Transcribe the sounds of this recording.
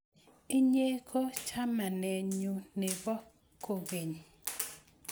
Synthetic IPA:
ɪ˦ɲe˦kʰo˦t͡ʃa˦ma˨nɛ˨ɲu˨ne˨bɔ˦ | ko˨ɡe˨ɲ˨

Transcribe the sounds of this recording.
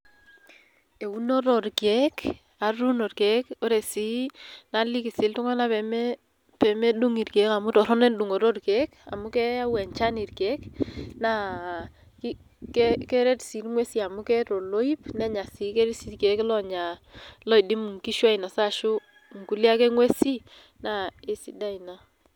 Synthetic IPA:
e˨u˦no˦ɾɔ˨ɾke˨˦k | a˨ɾu˦no˨ɾkɛ˨˦ko˦ɾe˨si˨˦na˨li˦kɪ˨sɪ˨ltʊ˦ŋɔ˦na˦pɛ˨m | pɛ˨mɛ˦du˦ŋi˨ɾke˨˦ka˨mu˦tɔ˨ɾɔ˦nɛ˦ndu˨ŋo˨ɾo˦tke˨˦ka̰˨mʊ˦kɛ˦a˦wɛ˨ɲt͡ʃa˦ni˨ɾke˦kna˦ | ki | kɛkɛ˦ɾɛ˦tsi˨ɾŋwe˦si˦a˨mʊ˦kɛ˦ɾo˨lo˦i˦pnɛ˦ɲa˨si˨˦ke˦ɾi˦si˦tkɛ˨˦klɔ˦ɲa˨lɔ˦i˨dɪ˦mu˨ŋki˦ʃwa˦ɪ˨nɔ˨sa˦ʃʊ˦ | ŋ̩˨ku˦lja˦kɛ˦ŋwe˦si˦ | na˦e˦sḭ˨da˦ina˨

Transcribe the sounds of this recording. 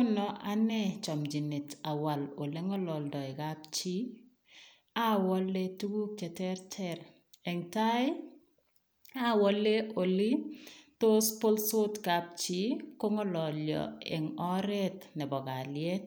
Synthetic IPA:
nɔ˨ʔanɛ˦t͡ʃɔ˨md͡ʒi˨ni˨ta˨wa˨lo˨le˦ŋɔ˦lɔ˨ldɔ˨ɛ˨kap̚t͡ʃi˦ | a˦wɔ˦le˦tu˦ɡu˦k̚t͡ʃɛ˨tɛ˦ɾtʰɛɾ | ɛ˨ŋta˦ɪ | a˦wɔ˦le˦ʔo˨li˦to˦spo˦lso˦tkap̚t͡ʃi˦ko˦ŋɔ˦lɔ˨ljɔ̰˨ɛ̰˨ŋɔ˦ɾɛ˦tnɛ˨bɔ˨ka˨ljɛt̚

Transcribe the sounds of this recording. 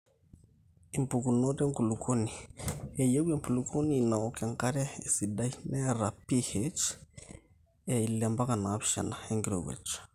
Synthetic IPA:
i˨mpu˨ku˨no˦tɛ˦ŋku˨lu˨kʰo˦ni˨ɛ˨je˦wɛ˦mpʰu˨lu˨kʰo˦niː˦˨na˨o˦kɛ˨ŋka˦ɾɛ˦e˨si˨da˦i˦nɛ˦ɾa˨pi˦he˨t͡ʃ | ɛ˨i˨lɛ˨mba˦ka˨na˨˦βi˨ʃɛ̰˨na˨e˦ŋɡi˦ɾo̰˨wɛ̰˨t͡ʃ

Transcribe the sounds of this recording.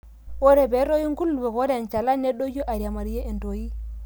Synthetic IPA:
wo˦ɾe˨be˨˦ɾo˦ji˦ŋɡu˦lːu˨we˨ko˦ɾe˨nt͡ʃa˨la˦ne˦ɗo˦d͡ʒo˦ʔa˨ɾja˨ma˨ɾje˦ʔe˨nto˨ji˦

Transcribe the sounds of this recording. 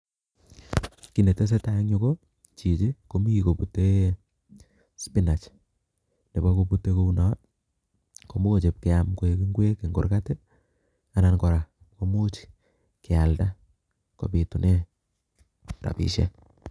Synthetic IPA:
ki˨ne˨te˦s̬e˦ta˦ja˦ŋɲo˦ko˦ | t͡ʃi˨t͡ʃe˦ko˨mi˦i˨ko˨pu˨te˦ | spi˦na˨t͡ʃ | ne˨bɔ˦ko˨pu˦tːe˦ko˦u˦na˨˦t̚ | ko˨mo˦o˨t͡ʃe˨p̚ke˨amko˨e˨ki˦ŋɡwe˦ke˨ŋɡo̰˨ɾka˦te˦ | a˨na˨nkɔ˨ɾa˨ | ko˨mu˦t͡ʃi̥ | ke˨a˨lda˦ | ko̰˨pi˨tu˨ne˦ | ɾa̰˨pḭ˨ʃḛ˦

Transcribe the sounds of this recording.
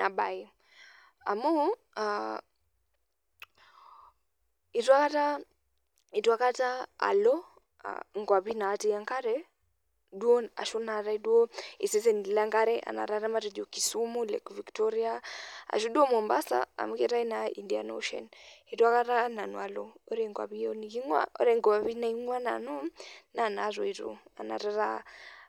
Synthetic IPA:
na˨bai | amɔ˦ | a | i˨tu˦a˦ka˦ta | i˨twa˦ka˦ta˦a̰˨lɔ˦ | a̰ŋɡwa˨βinaː˨ti˦jaŋka˦ɾɛ | du˦ɔ˦na̰˨ʃu˦naɾaidu˦ɔi˨sɛs̬ɛni˨la˦ŋɡa˦ɾɛʔa̰˨na̰˨ɾaɾa˦maɾɛd͡ʒɔ˨ki˨sumulɛ̰kviktɔɾiaa̰˨ʃ̬u˦ɗu˦ɔ˦mɔ˨mbasa̰a̰˨m˦kɛɾa˦inaindia˨nɔ̰ʃɛ̰ni˨twa˦ka˦ɾa˦na˨nɔa˨lɔɔ˦ɾɛŋɡwa̰˨βi˦ɔniki˦ŋwa̰˦ʔɔ̰˦ɾɛŋɡa˨βi˦naiŋwa˦na̰nɔ˦nanazɔ˨iɾṵa̰˨na̰˨ɾaɾa

